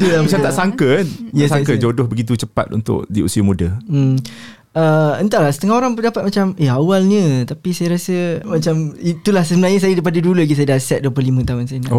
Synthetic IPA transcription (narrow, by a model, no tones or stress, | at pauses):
t̪ulamat͡ʃamt̪aʔsaŋkənjasakəd͡ʒodʊhbəɡit̪̬ut͡ʃəpa̰t̪̚ṵnt̪ʊ̰k̚diṵsiamudəm | əənt̪alahsət̪əŋahoɾaŋpərdapat̪̚mat͡ʃameɦawalɲə̃t̪apisajaɾasəmat͡ʃamit̪ulahsəbənarɲəs̬ajədap̬adəduləɡisajədasɛt̪̚duəplohlimə̃t̪aɦʊnsajəna